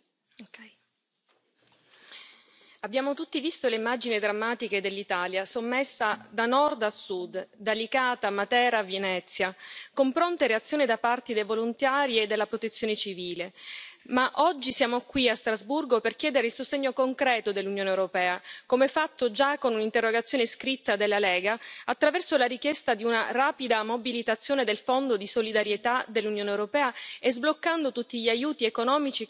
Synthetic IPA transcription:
abːjaːmot̪ut̪ːivist̪oleimːad͡ʒinid̪ɾamːaːt̪iked̪elːit̪aːljasomːesːad̪anɔrd̪asːud̪d̪alikaːt̪amat̪ɛːɾavjenɛt̪sːjakompɾont̪eɾeat̪sːjoːnid̪apart̪id̪ejvolunt̪aːɾied̪ːelːapɾot̪et̪sːjoːnet͡ʃiviːlemaʔɔd͡ʒːisjaːmokwiast̪ɾazburɡoperk̟jɛːd̪eɾeilsost̪eɲːokoŋkɾɛːt̪od̪elːunjoːnewɾopɛːakomɛfat̪ːod͡ʒakːonunint̪erːoɡat̪sːjoːneskɾit̪ːad̪elːalɛːɡaːt̪ːɾavɛrsolaɾikjɛst̪ad̪iunaraːpid̪amobilit̪at̪sːjoːned̪elfond̪od̪isolid̪aɾjet̪ad̪elːunjoːnewɾopɛːaezblokːand̪ot̪ut̪ːiʎiajuːt̪iekonɔːmit͡ʃi

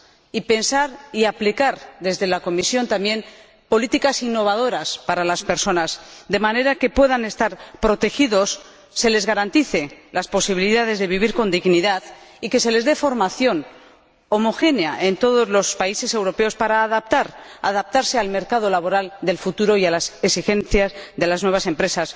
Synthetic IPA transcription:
ipe̞nsaɾiaplikaɾðe̞zðe̞lako̞misjo̞nt̪ambje̞n | po̞lit̪ikasinːo̞β̞aðo̞ɾaspaɾalaspe̞ɾso̞nasd̪e̞mane̞ɾake̞pwe̞ðane̞st̪aɾpɾo̞t̪e̞xiðo̞sː | e̞le̞zɣaɾant̪iθe̞laspo̞siβiliðað̞e̞zðe̞βiβ̞iɾko̞nd̪iɣniðaðike̞se̞le̞zðe̞fo̞ɾmaθjo̞n | o̞mo̞xe̞neaʔe̞nt̪o̞ð̞o̞zlo̞spaise̞se̞wɾo̞pe̞o̞spaɾaːðap̚t̪aɾa̰ðap̚t̪aɾse̞alme̞ɾkað̞o̞laβo̞ɾald̪e̞lfut̪uɾo̞ialaseksixe̞nθjazðe̞laznweβase̞mpɾe̞sas

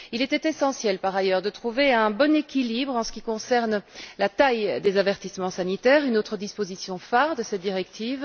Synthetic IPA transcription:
ilɛt̪ɛt̪esɑ̃sjɛlpaʁajœʁd̪ət̪χuveɛ̃bɔnekʲilibʁɑ̃sə̥kʲikɔ̃sɛʁnlat̪ajd̪ezavɛʁt̪ismɑ̃sanit̪ɛʁynot̪χəd̪ispozisjɔ̃faʁd̪əsɛt̪̚d̪iʁɛkt̪ʰiːv

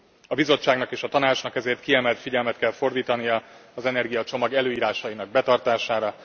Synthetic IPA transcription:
ɒbizo̞t͡ʃːaːɡnɒkeːʃɒt̪ɒnaːt͡ʃnɒkɛzeːrt̪̚kiɛmɛlt̪fiɟɛlmɛt̪kɛlfo̞rd̪iːt̪ɒnijɒɒzɛnɛrɡijɒt͡ʃo̞mɒɡɛløːiːɾaːʃɒjinɒɡ̚bɛt̪ɒrt̪aːʃaːɾɒ

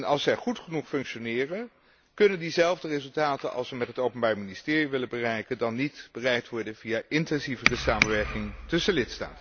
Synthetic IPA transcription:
nɑlˠsɛχutχənuχfɵŋkʃonɪːrən | kɵnəndizɛlˠvdərezɵlˠtaːtənʔɑ̰lˠsʋəmɛtɦətowpənbaːɹministɪːriʋɪlənbərɛjkəndɑnːitb̥ərɛjtʋɔɹdənvijaʔɪntɛnzivərəsaːmənʋɛɹkɪŋtɵsəlɪtsta̰ːtə

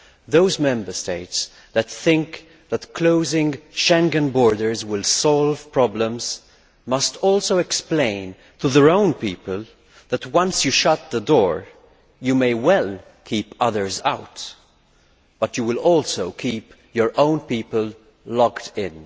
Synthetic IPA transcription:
ðoʊzmɛ̃mbə˞steɪts | ðɨt̪θɪ̃ŋk | ðətkʰloʊzɪ̃ŋʃɛ̃ŋɡɨ̃nbɔɹdə˞zwɪlˠsɔlˠv̥pɹ̥ɑblə̃mz̥ | mʌstɔlˠsoʊɛksplẽɪ̃n | tʰuðəɹõʊ̃npiːpəlˠ | ðətwʌ̃nsjɨʃʌt̪̚ðədɔɹ | jɨmeɪwɛl | kʰipʌðə˞za̰ʊt | b̥ʌt͡ʃjɨwɪlɔlˠsoʊkʰip | jə˞ʔõʊ̃npipəl | lɔktʰɪ̃n

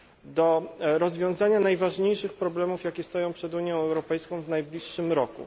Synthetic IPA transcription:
d̪ɔɾɔzvʲjɔ̃w̃zaɲanajvaʐɲejʂɘxpɾɔblɛmufjakʲɛst̪ɔjɔ̃w̃pʂɛd̪uɲjɔ̃w̃ɛwɾɔpɛjskɔ̃w̃vnajblʲiʂːɘmɾɔkṵ

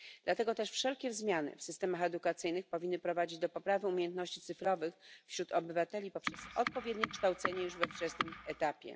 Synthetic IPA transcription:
d̪̥lat̪ɛɡɔt̪ɛʂfʂɛlkʲɛzmʲjanɘ̰fsɘst̪ɛmaxɛd̪ukat̪sɘjnɘxpɔvʲinːɘpɾɔvad͡ʑid͡ʑd̪ɔpɔpɾavɘumʲjejɛnt̪nɔɕt͡ɕit̪sɘfɾɔvɘxfɕɾut̪ʰɔbɘvat̪ɛlʲipɔpʂɛsɔt̪̚pɔvʲjɛd̪ɲɛkʂt̪awt̪sɛɲɛjuʐvɛft͡ʂɛsnɘmɛt̪apʲjɛ̰

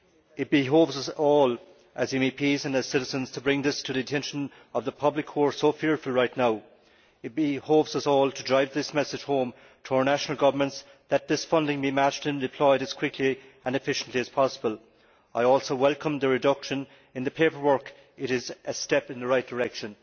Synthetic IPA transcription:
ɪt̚b̥ɪɦovzʌsɔːl | ʔəzɛ̃mipʰizə̃nəz̥sɪɾɪzə̃nz̥tʰəbɹɪ̃ŋðɪstʰəðiɨtʰɛ̃nʃə̃n | ʌvðəpʰʌblɪkʰɔɹsoʊfɪɹfəl̩ˠɹaɪtⁿnaʊ | ɪt̚b̥ɪholvzʌsɔːlˠtʰədɹaɪvðɪsmɛsɨd̥ʒ̥hõʊ̃m | tʰəaə˞naʃənəl̩ˠɡʌvə˞mə̃nts | ðət̪̚ðɪsfʌ̃ndɪ̃ŋbimat͡ʃtɨ̃ndɨpʰl̥ɔɪɾəz̥kʰw̥ɪkʰliə̃nɨfɪʃə̃n̩tliɨz̥pʰɑsəbəlˠ | aɪɔlˠsoʊwɛlˠkə̃mðəɹɨdʌkʃə̃n | ɨ̃nðəpʰeɪpə˞wɜ˞k | ɪɾɪzʔəstɛpɪ̃nðəɹaɪt̚d̥əɹɛkʃə̃n

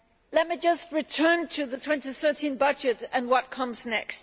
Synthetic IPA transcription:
lɛt̚mid͡ʒʌst̚ɹɨtʰɜ̃˞ntʰɨðətʰw̥ɛ̃ntiθɜ˞tĩnbʌd͡ʒɨɾɨ̃nwʌt̚kʰʌ̃mznɛ̰kst̚

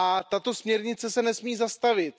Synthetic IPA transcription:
ʔat̪at̪o̞smɲɛɾɲɪt͡sɛsɛnɛsmiːzast̪avɪt̪̚

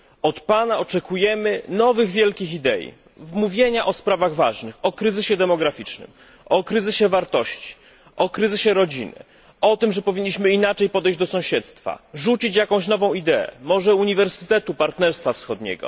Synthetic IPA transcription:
ɔt̪panaɔt͡ʂɛkujɛmɘnɔvɘɣvʲjɛlkʲixid̪ɛjḭ | muvʲjeɲaʔɔspɾavaɣvaʐnɘxɔkɾɘzɘɕɛd̪ɛmɔɡɾafʲit͡ʂnɘ̰m | ɔkɾɘzɘɕɛvaɾt̪ɔɕt͡ɕi̥ | ʔɔkɾɘzɘɕɛɾɔd͡ʑinɘ̰ | ɔt̪ɘmʐɛpɔvʲiɲːiɕmɘinat͡ʂɛjpɔd̪ɛjd͡ʑd̪ɔsɔ̃w̃ɕɛt̪st̪fa̰ʐut͡ɕit͡ɕjakɔ̃w̃ɕnɔvɔ̃w̃id̪ɛɛ̰mɔʐɛuɲivɛɾsɘ̥t̪ɛt̪upaɾt̪nɛɾst̪fafsxɔd̪ɲɛ̰ɡɔ̰

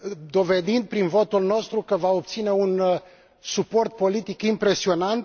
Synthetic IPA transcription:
d̪o̞ve̞d̪ind̪̚pɾinvo̞t̪ulno̞st̪ɾukəvaop̚t̪sine̞un | supo̞rt̪̚po̞lit̪ikimpɾe̞sio̞nant̪

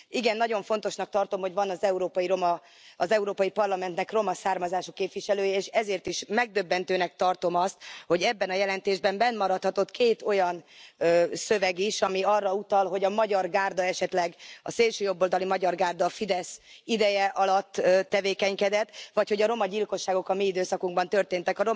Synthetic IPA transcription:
iɡɛnːɒɟo̞ɱfo̞n̪t̪o̞ʃnɒk̚t̪ɒrt̪o̞mho̞ɟvɒnɒzɛuɾoːpɒjiɾo̞mɒ | ɒzɛuɾoːpɒjipɒrlɒmɛnt̪nɛkro̞mɒsaːrmɒzaːʃokːeːpʋiʃɛløːjɛeːʃɛzeːrt̪iʃmɛɡ̚d̪ø̞bːɛnt̪øːnɛk̚t̪ɒrt̪o̞mɒst̪̚ho̞ɟɛbːɛnɒjɛlɛnt̪eːʒbɛmbɛnmɒɾɒt̪hɒt̪o̞t̪kʰeːt̪o̞jɒnøsøvɛɡiʃɒmiɒrːɒut̪ɒlɦo̞ɟɒmɒɟɒrɡaːrd̪ɒɛʃɛt̪lɛɡɒ̰seːlʃøːjo̞bːold̪ɒlimɒɟɒrɡaːrd̪ɒfid̪ɛsid̪ɛjɛʔɒlɒt̪ːøt̪ːɛveːkɛɲkɛd̪ɛt̪ːʋɒcho̞ɟɒɾo̞mɒɟilko̞ʃːaːɡo̞kɒmiid̪øːsɒkuŋɡbɒnt̪ø̞rt̪eːnt̪ɛkɒɾo

